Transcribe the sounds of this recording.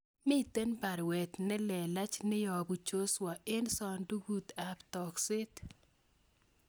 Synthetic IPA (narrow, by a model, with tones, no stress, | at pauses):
mɪ˦˨t̪e˦npa˨ɾwɛ˨t̪nɛ˦lɛ˨la˦t͡ʃnɪ˦jɔ˨bu˨t͡ʃo˦swa˨e˦nsɔ˨ndu˦ɡu˦t̪a˨ptɔ˨ksɪ˦t